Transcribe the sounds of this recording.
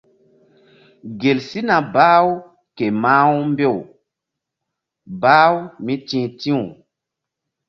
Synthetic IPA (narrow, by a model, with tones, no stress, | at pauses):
ɡe˨lsi˦na˨baː˦wu˦ | ke˨maː˦wmbe˦˨w | baː˦wmĩ˦tĩː˦˨tĩ˦u˨